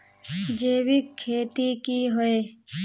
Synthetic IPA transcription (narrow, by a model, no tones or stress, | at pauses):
d͡ʒeːwikʰːeːt̪ikiːɦoeː